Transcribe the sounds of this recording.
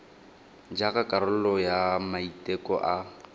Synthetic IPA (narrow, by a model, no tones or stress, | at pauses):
d͡ʒakakʼaɾʊlɔjamaitʼɛkɔʔa